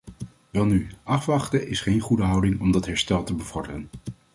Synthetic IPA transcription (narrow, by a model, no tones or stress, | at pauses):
ʋɛlˠnyʔɑfʋɑχtəʔɪsχejnχudəɦɑwdɪŋɔmdɑtɦɛɹstɛlˠtəbəvɔɹdərən